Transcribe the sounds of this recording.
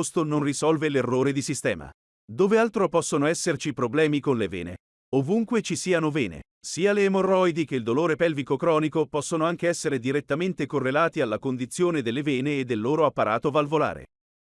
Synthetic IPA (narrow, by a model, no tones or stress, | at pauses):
st̪ononrisɔlvelerːoːɾed̪isist̪ɛ̰ːma̰ | d̪ovealt̪ɾopɔsːonoɛsːert͡ʃipɾoblɛːmikonlevɛ̰ːnḛ | ovuŋkwet͡ʃisiːanovɛːnḛ | siːaleːmorːɔjd̪ik̟eild̪oloːɾepɛlvikokɾɔːnikopɔsːonoaŋk̟eɛsːeɾed̪iɾet̪ːament̪ekorːelaːt̪ialːakond̪it̪sːjoːned̪elːevɛːneːd̪ːelːoːɾoapːaɾʔa̰ːt̪ovalvola̰ːɾḛ